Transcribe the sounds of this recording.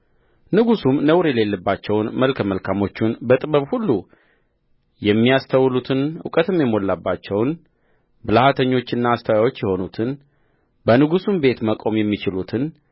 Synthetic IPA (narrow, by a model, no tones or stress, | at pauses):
nɨɡusumnəwɾjɛle̞lːəbːat͡ʃːɛwnməlkʰəməlkʰamo̞t͡ʃːunbət̪ʼɨβəβhulːu | jɛmːijast̪ʰəwlut̪ʰɨnṵkʼət̪ɨmjɛmo̞lːabːat͡ʃːɛwn | bɨlahat̪ʰəɲːo̞t͡ʃːɪnːaːst̪ʰəwawo̞t͡ʃːjɛho̞nut̪ʰɨn | bənɨɡusumbe̞t̪məkʼo̞mjɛmːit͡ʃɪlut̪ʰɨn